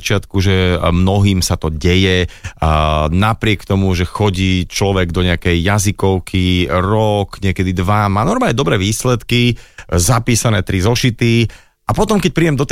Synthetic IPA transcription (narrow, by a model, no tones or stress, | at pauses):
t͡ʃɪat̪kuʒɛmnɔɦiːmsat̪ɔɟɛjɛ | napɾɪɛkt̪ɔmuʒɛxɔɟiːt͡ʃlɔʋɛɡd̪ɔɲɛakɛjːazikɔʊkʰiɾɔkɲɪɛkɛd̪id̪ʋamaːnɔɾmaːɲɛd̪ɔbɾɛːʋiːslɛt̪kizapiːsanɛːt̪ɾizɔʃit̪i | ʔapɔt̪ɔmkɛc̚pɾiːjɛmd̪ɔt̪